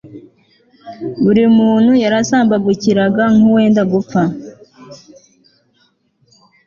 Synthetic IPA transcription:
βuɾimuːn̥hujaɾasaːmbaɡuciɾaɡaŋuwe̞ːndaɡup͡fa

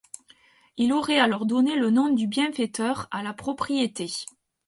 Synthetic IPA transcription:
iloʁɛalɔʁd̪ɔnelənɔ̃d̪ybjɛ̃fɛt̪œʁalapχɔpχijet̪e

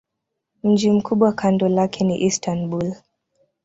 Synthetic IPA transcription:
m̩d͡ʒim̩kʰuɓwakandɔlakʰɛniʔistanbul

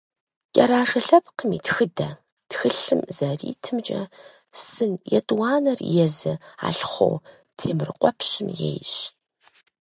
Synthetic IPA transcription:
kʲʼɐɾaːʂɐɬɐpʰqəmitxɨdɐ | txɨɬɨmzɐrḭːtʰɨmt͡ʃʼɐ | sɨnjɛ̰tʼwɑːnɐrjɛzɨa̰ːɬχʷo̰w | tʰeːmrɨqʷʼɔpʰɕɪmjḛjɕ

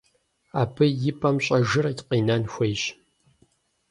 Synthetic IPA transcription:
aːbʰɨjɪpʼɐmɕʼɐʒɨrtqiːnɐnxʷejɕ

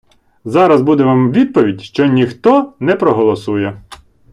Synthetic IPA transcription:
zɑɾɐzbud̪ɛʋɑmʋʲid̪̚pɔʋʲidʲʃt͡ʃɔnʲixt̪ɔnɛpɾɔɦɔlˠɔsujɛ

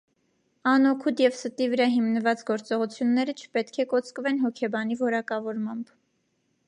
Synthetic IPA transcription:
ɑnɔkʰut̪jɛvsət̪ivəɾɑɦimnəvɑt͡sɡɔɾt͡sɔʁut͡sʰjunːɛɾət͡ʃʰə̥pɛt̪kʰɛkɔt͡skəvɛnɦɔkʰɛbɑn̪ivɔɾɑkɑvɔɾmɑmb

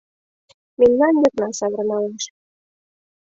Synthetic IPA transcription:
memnɑnjɤknɑsɑβərnɑleʃ

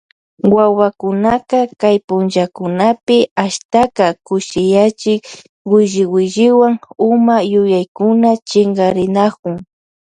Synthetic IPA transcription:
wawakʊnakakajpʊnt͡ʃakʊnapɪaʃt̪akakʊʃɪjat͡ʃɪk | wɪʒɪwɪʒɪwaŋʊmajʊjajkʊnat͡ʃɪŋɡɑɾɪnakʊŋ

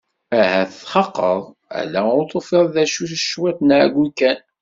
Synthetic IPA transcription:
æhæθθχɑqːəðˤ | æ̰læʊɾt̪ˤːofeðˤðæʃuθəʃwæt̪nʕɡʷukæn

